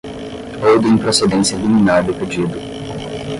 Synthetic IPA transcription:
owd̪ẽpɾosed̪ẽsjɐliminaɾd̪ʊped͡ʒid̪ʊ

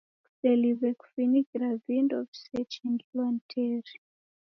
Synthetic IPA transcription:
ku̥sɛlivɛku̥finiɡɾavindɔvsɛt͡ʃiŋɡlantʰɛɾi

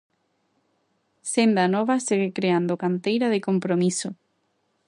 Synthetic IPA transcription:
send̪anɔβaseɣekɾeand̪okant̪ejɾaðɪkompɾomiso

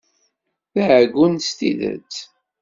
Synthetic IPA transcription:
θæʕɡːunst̪iðə̰ɾt͡s

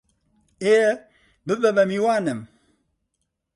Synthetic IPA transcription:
eə | bəbəbəmiwanəm

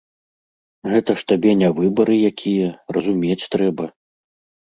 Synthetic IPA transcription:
ɣɛt̪ɐʂt̪abʲɛnʲavɨbɐɾɨjakʲʰijɐrɐzumʲet͡sʲt̪ɾɛbɐ

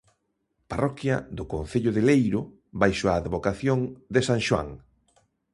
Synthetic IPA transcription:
parɔkjɐ̰ðʊkon̟θeʎʊðelejɾʊ | bajʃoaːðβokaθjoŋd̪esãŋʃwa̰ŋ

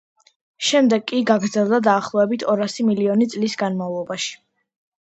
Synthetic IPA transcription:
ʃɛmd̪ɛɡʼiɡaɡɾd̪zɛlˠd̪ad̪aːχlˠɔɛbit̪ʰɔɾasimiliɔnit̪sʼlisɡanmavlˠɔbaʃi̥

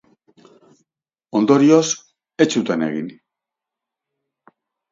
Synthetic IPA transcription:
o̞nd̪o̞ɾio̞s | e̞t͡ʃut̪ane̞̰ɣḭn

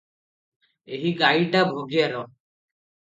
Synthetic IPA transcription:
eɦiɡajʈabʱoɡijaɾɔ

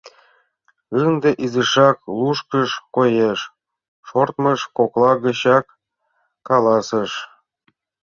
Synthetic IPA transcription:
ɯnd̪ĕʔizəʃɑk̚lˠuʃkəʃkojeʃ | ʃort̪məʃkoklˠɑɡə̆ɕɑkː | ɑlˠɑsəʃ

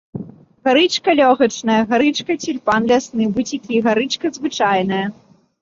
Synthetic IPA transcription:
ɣaɾɨt͡ʂkɐlʲɔɣɐt͡ʂnɐjɐɣaɾɨt͡ʂkɐt͡sʲilʲpanlʲasnɨbut͡sʲikʲiɣaɾɨt͡ʂkɐzvɨt͡ʂajnɐjɐ

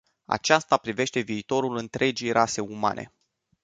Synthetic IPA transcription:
a̰t͡ʃast̪apɾive̞ʃt̪e̞viːt̪o̞ɾulɨnt̪ɾe̞d͡ʒijɾʔase̞uma̰nʔe̞̰

